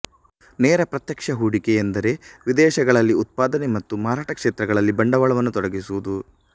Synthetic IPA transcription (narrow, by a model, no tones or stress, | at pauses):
neːɾɐpɾɐt̪jɐkʂɐɦuːɽikeend̪ɐɾe̞ʋid̪ɛːʃɐɡɐɭɐlːiut̪̚paːd̪ɐnemɐt̪ːumaːɾaːʈɐkʂeːt̪ɾɐɡɐɭɐlːibɐɳɖɐʋɐɭɐʋɐnːut̪ɔɽɐɡisuʋud̪u